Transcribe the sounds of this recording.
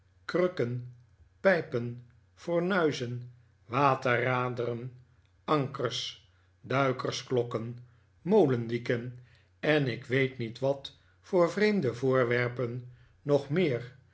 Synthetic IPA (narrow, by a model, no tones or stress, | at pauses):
krøkən | pɛjpən | fʊɹnœɥzən | ʋaːtəraːdərən | ɑŋkəɹs | dœɥkəɹsklɔkən | mowləndikən | ɛnɪkʋejtnitʋɑt | fʊːɹvrejmdəvʊːɹʋɛɹpən | nɔχmɪːr